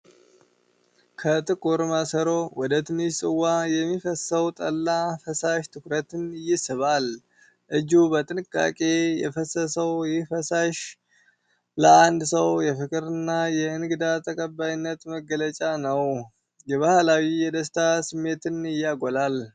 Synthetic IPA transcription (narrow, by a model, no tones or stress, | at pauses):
kʰət̪ʼɨkʼuɾmasəɾo̞wɔd̪ət̪ʰɨnɨʃsʼɨwːajɛmːifəsəwt̪ʼəlːafəsaʃt̪ʰɨkɾət̪ɨnɪjɪsɨβal | ʔɨd͡ʒubət̪ʼɨnɨkʼːa̰kʼe̞jɛ̰fəsəsəwjɪfəsaʃ | ləand̪səwjɛfɨkʼɨɾɨnːajɛɨnɨɡɨd̪at̪ʰəkʼəbːajɪnːət̪məɡələt͡ʃʼanəw | jɛβahlawijɛd̪əs̬t̪ʰasɨmːe̞t̪ɨnɨjːaɡolal